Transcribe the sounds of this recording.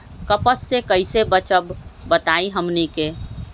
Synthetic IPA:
kəpəsːekəɪsebət͡ʃəbːət̪aiɦəmnike

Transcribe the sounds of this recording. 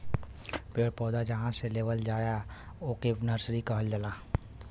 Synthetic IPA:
peːɽpɔːd̪ad͡ʒɐɦãseleːʋəld͡ʒaːja | oːkebnəɾsɾikəɦəld͡ʒəlaː

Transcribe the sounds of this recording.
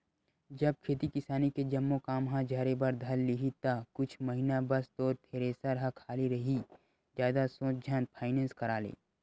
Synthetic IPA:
d͡ʒɐb̚kʰeːt̪ikɪsaːniked͡ʒɐmːokaːmɦãd͡ʒaːɾebəɾd̪ʱɐlːɪɦit̪akʊt͡ʃʰmɐɦinabɐst̪ɔːɾt̪ʰeːɾeːsaɾɦakʰaːliɾɐɦi | d͡ʒjaːd̪asõːt͡ʃd͡ʒʱɐn̚pʰaːɪnẽːnskɐɾaːlḛː

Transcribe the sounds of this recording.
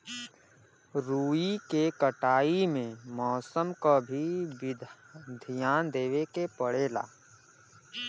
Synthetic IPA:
ɾuːikekəʈaːimẽmɔːsəmkabʱiɪd̪ʱ | d̪ʱijaːnd̪eːʋekepəɽ̤eːla̰ː

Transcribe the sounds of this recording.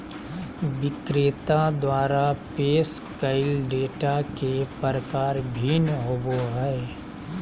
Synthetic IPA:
ʋɪkɾet̪ad̪waːɾapeːskəɪlɖeːʈakepəɾəkaːɾbʱiːnɦoboɦɛː

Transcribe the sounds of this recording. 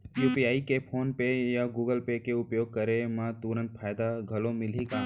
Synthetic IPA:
juːpiaːikepʰoːnpejaɡuːɡəlpekeʊpjoːɡ̚kəɾemãt̪uɾə̃nt̪̚pʰaːjd̪aɡʱɐlõmɪlika

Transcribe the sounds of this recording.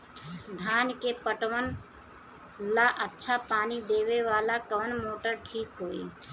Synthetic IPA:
d̪ʱaːnkepəʈʋən | laʔətːʃʰapaːnid̪eːʋeʋaːlakəʋənmoːʈəɾʈʰiːkɦoːḭː

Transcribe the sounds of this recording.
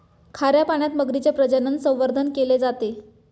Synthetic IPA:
kʰaɾjapaɳ̃jat̪məɡɾit͡ɕepɾəd͡ʑənənsə̃w̃ʋəɾd̪ʱənkeled͡zat̪e

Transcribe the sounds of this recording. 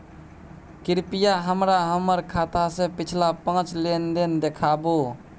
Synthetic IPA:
kiɾpijaɦəmɾaɦəməɾkʰat̪asẽpɪt͡ʃʰlapə̃t͡ʃlend̪end̪ekʰabo

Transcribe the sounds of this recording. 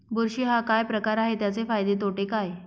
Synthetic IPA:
buɾɕiːɦakajpɾəkaɾaɦet̪jat͡sefajd̪et̪oʈekaj

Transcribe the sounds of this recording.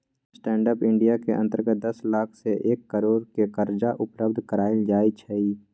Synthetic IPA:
sʈɛ̃ːɳɖəpɪ̃ɳɖijakeʔə̃nt̪əɾɡət̪̚d̪əslaːkʰseʔeːkːəɾoːɾkekəɾd͡ʒaʔʊpləb̚d̪ʱkəɾaːɪld͡ʒaːit͡ʃʰəiː

